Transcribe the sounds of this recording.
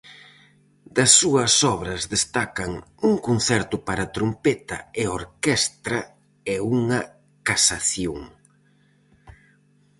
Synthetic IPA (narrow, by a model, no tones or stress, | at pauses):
d̪ɐsːuɐsɔβɾɐzðest̪akɐŋuŋkon̟θɛɾt̪ʊpaɾɐt̪ɾompɛt̪ɐ̰eoɾkɛst̪ɾɐ | ɛuŋɐ | kasaθjoŋ